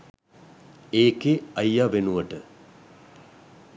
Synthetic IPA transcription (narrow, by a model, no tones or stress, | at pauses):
eːkeɐjːaːʋenuʋɐʈə